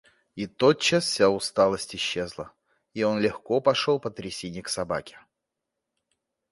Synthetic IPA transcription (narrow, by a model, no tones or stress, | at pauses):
it̪ot̪̚t͡ɕːasfʲsʲaʊst̪alˠəsʲtʲɪɕːezlˠə | io̞nlʲɪxkopɐʂolˠpət̪ɾʲɪsʲenʲɪjəksɐbakʲɪ̥